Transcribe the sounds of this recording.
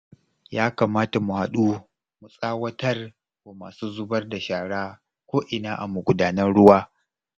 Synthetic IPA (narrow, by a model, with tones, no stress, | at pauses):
jaː˦kaː˨maː˦ta˨mu˨ha˨ɗuː˦ | mu˨sʼaː˦wɐ˦tɐ˦r | kʷaː˨maː˨suː˦zʊ˦bɐ˦rda˨ʃaː˨ɽaː˦ | kʷoː˦ʔɪ˨naː˦ʔa̰˨mu˨ɡʷʊ˨˦daː˦nɐ˦nɽʊ˦waː˦